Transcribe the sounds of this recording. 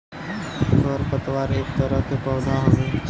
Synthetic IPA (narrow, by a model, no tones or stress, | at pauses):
soːɾpət̪ʋaːɾeːkt̪əɾəɦt̪ʰeːpə̃nd̪aːɦõːneː